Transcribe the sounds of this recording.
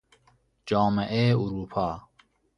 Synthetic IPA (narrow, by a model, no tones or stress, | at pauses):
d͡ʒɑːmeʔeuɾuːpʰɑː